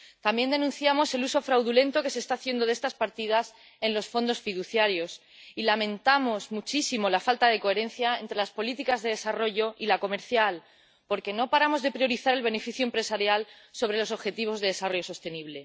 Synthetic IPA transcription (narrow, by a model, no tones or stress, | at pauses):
t̪ambje̞nd̪e̞nũnθjamo̞se̞luso̞fɾawðulẽ̞nt̪o̞ke̞se̞ːst̪aθjend̪o̞ð̞est̪aspaɾt̪ið̞as | e̞nlo̞sfo̞nd̪o̞sfiðuθjaɾjo̞s | ilamẽ̞nt̪amo̞zmut͡ʃisimo̞lafalt̪að̞e̞ko̞e̞ɾẽ̞nθjae̞nt̪ɾe̞laspo̞lit̪ikazðe̞ðe̞saro̞ʝo̞ʔilako̞me̞ɾθjal | po̞ɾke̞no̞paɾamo̞zðe̞pɾjo̞ɾiθaɾe̞lβ̞e̞ne̞fiθjuoempɾe̞saɾjal | so̞βɾe̞lo̞s̬o̞βxe̞t̪iβ̞o̞zðe̞ðe̞saro̞ʝoso̞st̪e̞niβ̞le̞